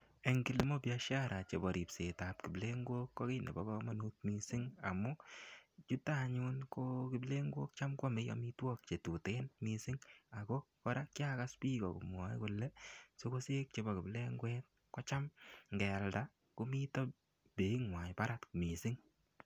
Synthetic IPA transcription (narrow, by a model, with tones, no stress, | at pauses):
e˨ŋɡi˦li˦mɔ˦pia˧ʃa˦ɾa˨t͡ʃe˨bɔ˨ɾi˨pse˨ta˨p̚kɪ˨ble˦ŋɡwo˦kːɔ˦kɪ˦nḛ˨bɔ˦bɔ˦ma˦nu˦t̚mi˧sɪ˦ŋa˨mʊ˦t͡ʃu˦ta˦˨ɲʊ˦nko˦kɪ˦ble˦ŋɡwoː˦k̚t͡ʃa˦mkɔ˦mɪ˦jɔ̰˦mi˦twɔ˦k̚t͡ʃe˨tu˨te˦nmi˧sɪ˦ŋa˨kɔ˦kɔ˦ɾa˦kja˦ka˦spi˦kɔ̰˨kʊ̰˨mwɔ˨˦ḭ˦kʊ˨lːɛ˦so˦ko˦seː˦k̚t͡ʃe˨˦bɔ˨kɪ˨ble˦ŋɡwɛ˦t̚ | kɔ˦t͡ʃa˦mŋɡɛ˨lda˦ | ku˦mi˦tɔ˦ | be˨i˦ŋwa˨ɲpa˦ɾa˦tkmi˨sɪ˦ŋ